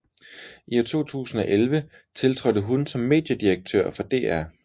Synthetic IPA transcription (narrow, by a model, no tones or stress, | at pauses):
ʔiæt͡sʰo̝̰ːt͡sʰṵːsn̩ɒ̽ʔelʋə | t͡sʰe̝lt͡sʰʁɔd̥əɦunsɒ̽mːe̝̰ːd̥jəd̥iʁɐɡ̥̚t͡sʰø̰ɐ̰fɒ̽d̥e̝̰ːæɐ̰